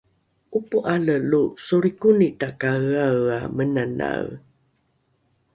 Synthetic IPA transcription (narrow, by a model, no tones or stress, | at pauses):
ʔupuʔaləlusuɾikunitakaɣawa̰mənana̰ɣ